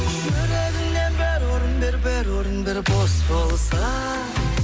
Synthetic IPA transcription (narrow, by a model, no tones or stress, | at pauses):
ɵɾeɾɪnd̪enbæɾwoɾənbeɾbeɾwoɾənbeɾbosbolˠsɑ